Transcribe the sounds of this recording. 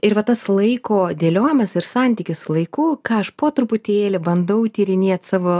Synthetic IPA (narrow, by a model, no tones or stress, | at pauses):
ɪɾʋɐt̪ɐslˠɐɪkoːd̪ʲeːlʲoːjɪmɐsɪɾsɑnʲt̪ʲiːkʲɪssʊlˠɐɪkuːkɑːɐʃpoːt̪ɾʊpʊt̪ʲeːlʲɪbɐnd̪ɐʊt̪ʲiːɾʲɪnʲiɛt̪sɑːʋoː